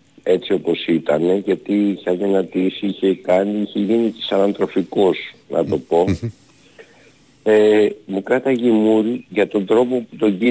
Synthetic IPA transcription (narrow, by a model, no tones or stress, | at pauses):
e̞t͡sio̞po̞sit̪ɐne̞ʝɐt̪iiçɐnðinɐt̪isiiçe̞kɐniiçe̞ʝinit̪i̥sɐnɐnt̪ɾo̞fikosnʔɐ̰t̪o̞po̞ | emukɾɐt̪ɐʝimuɾiʝɐt̪o̞nd̪ɾo̞po̞put̪o̞ɲɟi